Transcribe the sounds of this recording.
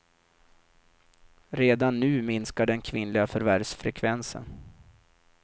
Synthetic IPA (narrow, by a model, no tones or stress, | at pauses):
ɾeːd̪anːʉ̟ːmɪnskaɖɛnkʰvɪnlɪɡafœɾvæɖsfɾɛkʰvɛnsə̰n